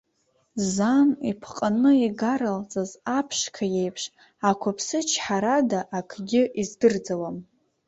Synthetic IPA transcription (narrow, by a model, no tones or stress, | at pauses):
zanḭpʰqʼanɨiɡaɾalt͡sʼazapʰʂkʰaje̞jpʰʂ | akʷʰapʰsɨt͡ʃʰħaɾadaʔːkʰɡʲɪʔizdɨrd͡zawam